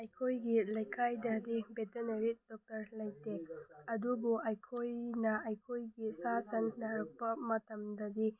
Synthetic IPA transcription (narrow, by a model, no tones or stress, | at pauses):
ɐjkʰojɡilɐjkʰajdɐdibetenɐɾit̚dɔk̚tɐɾlɐjteɐdubuʔajkʰojnɐɐjkʰojɡisasɐnlaɾɐk̚pɐmɐtɐmdɐdi